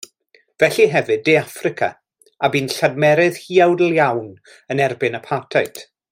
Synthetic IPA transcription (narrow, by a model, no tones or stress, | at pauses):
vɛɬiɦɛvɨdːeafrɪkʰa̰ | abiːnɬadmɛɾɨð̥hiːawdəlˠjawn | ənɛrbɪnəpʰatʰajt